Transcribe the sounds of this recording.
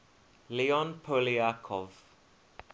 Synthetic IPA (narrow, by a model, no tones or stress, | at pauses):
liɔnpʰoliakʰɔv̥